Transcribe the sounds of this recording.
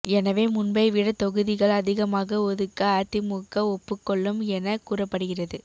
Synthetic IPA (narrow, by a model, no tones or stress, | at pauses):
ɛnɐʋeːmʊnbɐɪʋɪɽɐt̪ɔɣɯðɪɣɐɭɐðɪɣɐmaːɣɐɔðɯkːɐaːt̪ɪmuːkːɐɔpːɯkːɔɭːɯmɛnɐkuːrɐpːɐɽɯɣɪrɐðɯ